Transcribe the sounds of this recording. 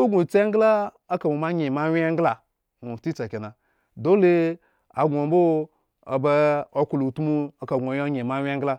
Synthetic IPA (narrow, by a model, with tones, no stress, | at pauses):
o˦ɡu˨t͡se˦ŋ˦ɡla˦ | a˦ka˨mu˨ma˦ɲe˨ma˦we˦ŋ˦ɡla˨ | nu˨ti˦t͡sa˨ki˨na˨ | do˦le˦ | a̰˨ɡʷo˨mbo˦ | a̰˨ba˦o˦ku˨lu˨tu˦mu˦a˨ka˨ɡʷo˨jo˦ɲe˨ma˦wʲe˦ŋ̩ɡla˦